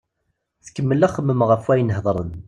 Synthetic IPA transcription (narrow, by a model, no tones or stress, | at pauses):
θəkːəmːəlæχəmːəmʁəfwæjnəhðˤɾˤə̰n